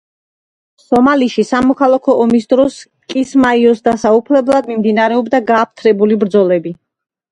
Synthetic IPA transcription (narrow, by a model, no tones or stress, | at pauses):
sɔmaliʃisamɔkʰalˠakʰɔʔɔmisd̪ɾɔs | kʼismaiɔsd̪asaupʰlɛblˠad̪mimd̪inaɾɛɔbd̪aɡaːp̚ʰt̪ʰɾɛbulibɾd̪zɔlɛbi